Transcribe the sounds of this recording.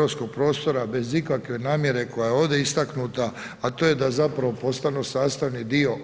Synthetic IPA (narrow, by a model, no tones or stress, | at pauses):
osko̞ɡ̚pɾo̞ːst̪o̞ɾabe̞zikakʋe̞naːmje̞ɾe̞ko̞jajeo̞ːʋd̪e̞ist̪aknut̪aː | t̪o̞ːje̞d̪azapɾaʋo̞po̞st̪anusaːst̪aʋnid̪io̞